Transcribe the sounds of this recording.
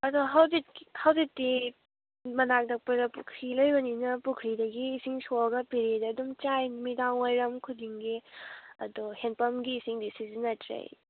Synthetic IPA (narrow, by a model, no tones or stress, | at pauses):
ɐdoɦawzit̚khawzitːi | mɐnak̚dɐk̚pɐɾɐpṵkʰɾilojbɐninɐpukʰɾidɐɡiːsiŋsoɡɐpiɾedɐdumt͡ʃajmidaŋojɾɐmkʰudiŋɡiɐ̰dohenpɐmɡiːsiŋdisizinːɐtʰɾḛj